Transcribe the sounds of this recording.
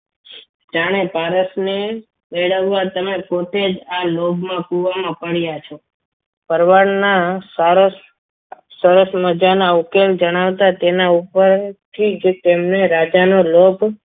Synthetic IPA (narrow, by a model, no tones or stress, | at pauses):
d͡ʒaɽ̃epaɾəsne | meɭəʋːat̪əmepot̪ed͡ʒalobʱmãpuʋamãpəɽjat͡ʃʰo | pəɾʋaɳnasaɾos | səɾəsməd͡ʒanaukeld͡ʒəɽ̃aʋt̪at̪enaupəɾt̪ʰid͡ʒt̪emneɾad͡ʒanolobʱ